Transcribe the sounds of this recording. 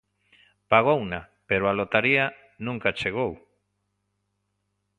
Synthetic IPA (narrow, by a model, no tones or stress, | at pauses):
paɣ̞owna | peɾoalot̪aɾia | nũŋkat͡ʃeɣ̞ow